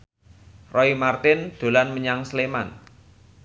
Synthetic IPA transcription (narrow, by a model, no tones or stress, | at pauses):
rɔimart̪ɪnd̪̥o̤lanməɲaŋslema̰n